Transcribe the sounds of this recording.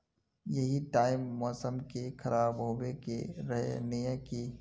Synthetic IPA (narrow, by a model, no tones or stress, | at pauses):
jɐɦiʈaːɪmːɔːsəmkekʰɐɾʔaːɾbʱoːbekḛɾɐɦḛnɪjəki